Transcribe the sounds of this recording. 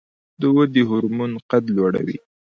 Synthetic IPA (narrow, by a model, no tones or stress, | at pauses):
d̪əwəd̪əɦʊɾmunqat̪lwaɽa̰wḭ